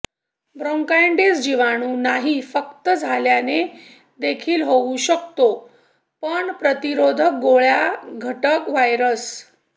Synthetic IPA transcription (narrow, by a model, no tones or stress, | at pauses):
bɾoŋkaeɳɖesd͡ʑiʋaɽ̃uːnaɦifəkt̪əd͡zʱaljane | d̪ekʰiːlɦouɕək̚t̪o | pəɳpɾət̪iɾod̪ʱək̚ɡoɭjaɡʱəʈəkʋajɾəs